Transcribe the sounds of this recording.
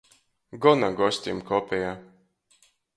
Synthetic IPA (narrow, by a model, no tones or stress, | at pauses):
ɡɔnaɡɔsʲt̪ʲimkɔpʲɛjaː